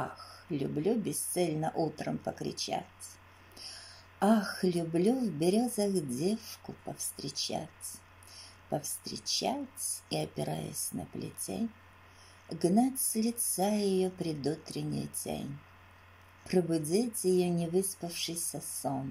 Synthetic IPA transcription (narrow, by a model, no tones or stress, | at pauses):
axlʲʊ̰blʲubʲɪst̪sɛlʲnəʔut̪ɾəmpəkɾʲɪ̰t͡ɕa̰t͡sʲ | axlʲʊblʲuvbʲɪɾʲozəxdʲefkʊpəfst̪ɾʲɪt͡ɕa̰t͡sʲ | pəfst̪ɾʲɪ̰t͡ɕat͡sʲiɐpʲɪɾa̰jə̰sʲnə̰plʲɪ̰tʲḛnʲ | ɡnatʲsʲlʲɪt̪sajɪjopɾʲɪd̪ut̪ɾʲɪnʲɪ̰jtʲḛnʲ | pɾəbʊdʲitʲjɪjonʲɪvɨspəfʂɨjsʲəson